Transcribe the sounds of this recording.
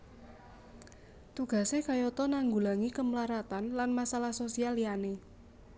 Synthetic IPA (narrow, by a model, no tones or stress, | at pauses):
t̪uɡ̥a̤sekajot̪ɔnaŋɡulaŋikəmlaɾat̪anlanmasalahsosialiane